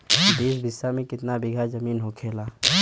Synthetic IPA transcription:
biːs̬bɪsːamẽkɪt̪nabɪɡʱazɐmiːnɦokʰeːlaː

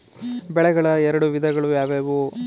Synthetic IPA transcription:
bɛɭɛɡɐɭɐɛɾɐɽuʋid̪ʱɐɡɐɭujaːʋeːʋu

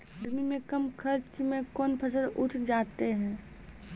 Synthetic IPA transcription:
əɾmimẽkəmkʰəɾt͡ʃmẽkɔːnpʰəs̬əɾʊʈʰd͡ʒaːt̪eɦɛ̃ː

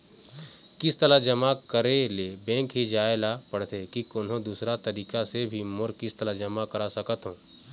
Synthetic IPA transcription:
kɪst̪əɾad͡ʒɐmakəɾelebɛ̃ːŋkɦid͡ʒaːelapɐɽt̪ekikoːnɦõd̪uːsɾat̪ɐɾiːkasebʱimʊɾkɪst̪əɾad͡ʒɐmakɐɾasɐkət̪ɦõː

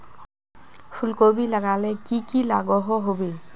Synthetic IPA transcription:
pʰulkobilaɡalɛkikilaɡɔɦɔɦobe

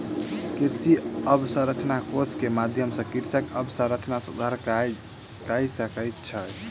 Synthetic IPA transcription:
kiɾsiəbsə̃ɾət͡ʃnakoskemad̪ʱjəmsə̃kiɾsəkəbsə̃ɾət͡ʃnasud̪ʱaɾ | kajsəkəjt̪t͡ʃʰə

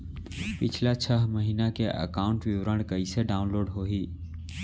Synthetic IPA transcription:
pɪt͡ʃʰlat͡ʃʰəɦməɦiːnakeʔə̰kaːʊ̃ɳʈʋɪwɾəɳ̃kəiseɖaːʊ̃nloːɾɖɦoːɦiː

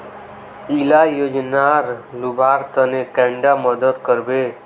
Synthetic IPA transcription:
ilajod͡ʒnaɾlubʱaɾt̪ənekɛ̃ɳɖaməd̪ət̪kəɾbe

